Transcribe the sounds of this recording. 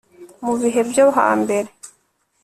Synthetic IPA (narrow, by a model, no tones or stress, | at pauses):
muβiɦe̞bjoɦa̰ːmbe̞ɾe̞